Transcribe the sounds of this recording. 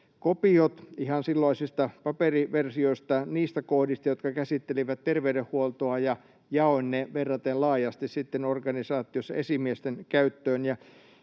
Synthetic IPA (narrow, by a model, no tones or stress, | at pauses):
kopiot̪ihɑnsilːɑisist̪ɑpɑperiʋersioist̪ɑniːst̪ækohdist̪ɑjot̪kɑkæsit̪ːeliʋæt̪t̪erʋeydehhuolt̪oɑjɑ | jɑoinneʋerːɑt̪ellɑːjɑst̪issit̪ːenorɡɑnisɑːt̪ˑiosːɑesimiest̪enkæyt̪ːøːnjɑ